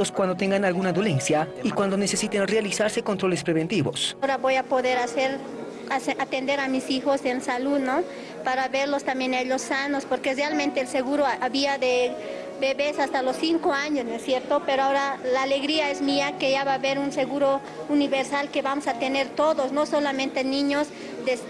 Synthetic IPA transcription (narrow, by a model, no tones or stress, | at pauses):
oskwand̪ot̪eŋɡanalɣunaðolensjaikwand̪onesesit̪enrealisaɾse̞kont̪ɾo̞lespɾeβent̪iβo̰soɾaβojapoðeɾaseɾ | at̪end̪eɾamisixosensaluðno | paɾaβeɾlost̪amjeneʎosːanospoɾkerealment̪eːlseɣuɾoaβiaðe | beβesast̪alosːiŋkoaɲosnesjeɾt̪opeɾoaoɾalaːleɣɾiaezmiakeʝaβaβeɾunseɣuɾo | uniβeɾsalkeβamosat̪eneɾt̪oðosnosolamẽnt̪enĩɲos | d̪es